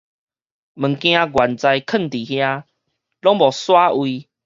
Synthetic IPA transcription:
mə˨˩ŋkj̃ã˧ɡwa˨˩nt͡sa˧jkʰə˥˨nt̪i˨˩hja˦ | lɔ˦ŋbɔ˨˩swa˦ʔwi˧

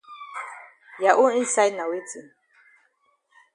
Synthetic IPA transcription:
ja˨ʔu˦i˦nsa˦jna˨we˦tʰi˨

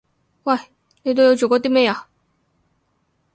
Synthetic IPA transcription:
wa˥˩ | n˥˧t̪̬o˥˧jo˧˥ʊt͡ɕjo˨˩kwɔ˥˧t̪me˥˩a˨˩

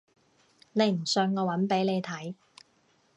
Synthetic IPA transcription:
ne˨˧jm̩˨˩sœ˧ŋŋɔː˨˧wɐ˨˥npe˨˥jne˨˧jt̪ʰɐ˨˥j

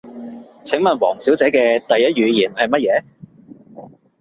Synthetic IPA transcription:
t͡sʰɪ˨˥ŋmɐ˨nwɔː˨˩ŋsi˨˥wt͡sɛː˨˥kɛː˧t̪ɐ˨jːɐ˥t̚ɥyː˨˧jiː˨˩nhɐ˨jmɐ˥t̚jɛː˨˧˥

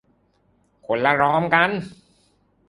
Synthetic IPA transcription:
kʰo˩˦nla˧ɾɔː˦˥mka˧n

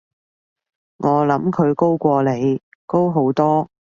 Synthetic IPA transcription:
ŋɔː˨˧lɐ˨˥mkʰɵ˨˧ɥko˥wkʷɔː˧le˨˧j | ko˥wɦo˨˥wt̪ɔː˥

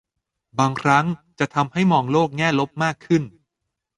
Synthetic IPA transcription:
baː˧ŋkʰɾa˦˥ŋt͡ɕa˨˩ʔt̪ʰa˧mha˥˩jmɔː˧˩ŋloː˥˩k̚ŋɛː˥˩lo˦˥p̚maː˥˩kʰːɯ˥˩n

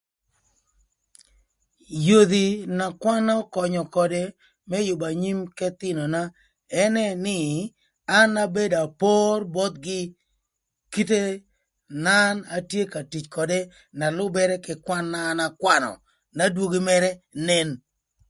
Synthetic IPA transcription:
jo˨ði˨na˨kwa˦nɔ˦kɔ˨ɲɔ˨kɔ˨de˦ | mɛ˦jʊ˨ba˨ɲi˦mkɛ˦t̪ɪ˦nɔ˨na˦ | ɛ˦nɛ˦nɪ˦˨ | a˦na˦be˦da˨po˦rbɔ˦t̪̚ɡɪ˦ | ki˦te˦ | na˦na˨tje˦ka˨ti˨t͡ʃkɔ˨de˦ | na˨lʊ˦bɛ˦ɾɛ˦kɪ˨kwa˦nːa˦˨na˨kwa˦nɔ̰˨ | na˦dwo˦ɡi˦mɛ˦ɾɛ˦nɛ˦n

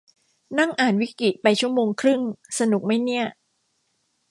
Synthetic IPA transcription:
na˥˩ŋʔaː˨˩nwi˦˥kɾi˨˩t̪̚pa˧jt͡ɕʰu˥˩əmoː˧ŋkʰɾɯ˥˩ŋsa˧nu˨˩k̚ma˥˩jni˥˩ɐ

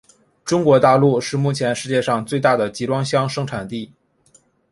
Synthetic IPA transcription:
ʈ͡ʂʊ˥ŋkwɔ˧˥t̪a˥˧lu˥˧ʂɻ̩˥˧mu˥˩t͡ɕʰjɛ˧˥nʂɻ̩˥˧t͡ɕjɛ˥˧ʂɑ˥˧ŋt͡swe˥˧ɪt̪a˥˩d̪ə˩t͡ɕi˧˥ʈ͡ʂwɑ˥ŋɕjɑ˥ŋʂɤ˥ŋʈ͡ʂʰa˨˩nt̪i˥˩

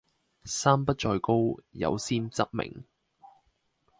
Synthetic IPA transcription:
saː˥mpɐ˥t̚t͡ʃɔː˧jko˥wjɐ̰˨˧wsiː˥nt͡sɐ˥t̚mɪ̰˨˩ŋ

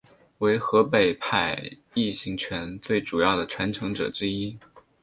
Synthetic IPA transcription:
we˧˥ɪxɤ˧˥pe˨˩ɪpʰa˥˩ɪ | i˥˩ɕi˧˥ŋt͡ɕʰɥɛ˧˥nt͡swe˥˩ɪʈ͡ʂu˨˩jɑ˥˩ʊd̪ə˩ʈ͡ʂʰwa˧˥nʈ͡ʂʰɤ˧˥ŋʈ͡ʂɤ̰˨˩ʈ͡ʂɻ̩˥i˥

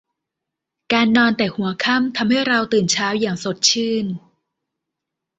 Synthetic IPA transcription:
kaː˧nːɔː˧nt̪ɛː˨˩hu˩˦ɐkʰa˥˩mt̪ʰa˧mha˥˩jɾa˧wt̪ɯː˨˩nt͡ɕʰaː˦˥wjaː˨˩ŋso˨˩t̪̚t͡ɕʰɯː˥˩n

